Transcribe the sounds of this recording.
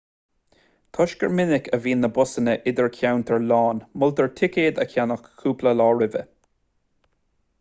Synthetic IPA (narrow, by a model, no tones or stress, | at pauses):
kʰɔʃkəɹmɪnɪkʰəviːnːəbʊsənəʔɪd̪əɹkʰjawnt̪ʰəɹlɑːnmʊlt̪əɹtʰɪkeːd̪əkʰʲjanəkkʰːuːpləlɔːɹɪvə̰